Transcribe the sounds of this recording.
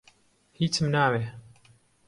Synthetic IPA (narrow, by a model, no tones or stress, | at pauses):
hiːt͡sʰɨmnaːwe